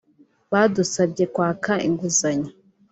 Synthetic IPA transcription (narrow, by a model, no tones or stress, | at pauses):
βaːdusabɟekwaːkaḭŋɡuzaɲa